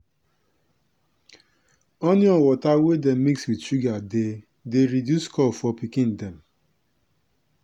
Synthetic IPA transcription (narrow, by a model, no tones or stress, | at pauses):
oniɔwɔtawedɛmmikswidʃuɡade | deɾidjuskɔlfɔpikĩndɛ̃m